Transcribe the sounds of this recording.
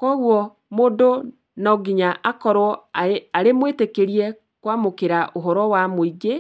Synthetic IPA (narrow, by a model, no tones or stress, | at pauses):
kɔɣwɔ | moːdo | nɔɡiɲaʔakɔɾwɔaɾemwetekeɾiɛ | kwamokeɾaʔoɦɔɾɔwamoiɡe